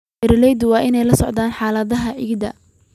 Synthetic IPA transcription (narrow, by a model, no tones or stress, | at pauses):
ɪɾlɛjd̪wɑːʔɪnɛjlɐsɔʕd̪aːnħaːlɐðɐɦɐʕɪɡd̪ɐ̰